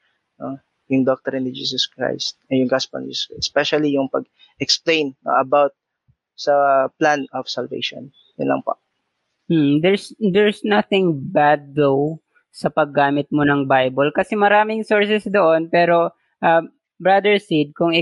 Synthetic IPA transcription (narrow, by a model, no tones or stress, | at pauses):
no | jʊŋd̪ɔk̚t̪ɛɾɪnd̪id͡ʒḭːsɔskɹa̰jst̪̚ɐjʊŋɡaspɐ̰ld͡ʒḭsaspɛʃɐlijʊŋpɐɡ | ɛksplẽjnːo̰ʔɐbawt̪̚ | sɐplanɔfsɐlvḛjʃo̰n | jʊnlɐ̰ŋpa̰ | m̩d̪ɛɹsd̪ɛɹsnɐθɪŋbad̪̚ːow | sɐpɐɡːaːmɪt̪̚monɐŋbajbolkɐsɛmɐɾaːmɪŋso̞ɹsɛsd̪oʔonpɛːɾo̞ | ʔɐ | bɹɐd̪ɛɹsid̪̚kʊŋɪ